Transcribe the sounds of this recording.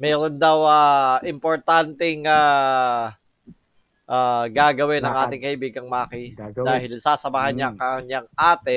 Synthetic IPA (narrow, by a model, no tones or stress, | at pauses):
mɛːɾond̪ɐwaːʔɪmpoɾt̪ant̪ɛŋaː | ʔaːɡaːɡɐwɛnɐŋʔaːt̪ɪŋkɐʔɪbiːɡɐŋmaːkɪd̪aːhɪlsaːsɐmaːɦɐnɲaŋkɐɲɐŋʔaːt̪ɛ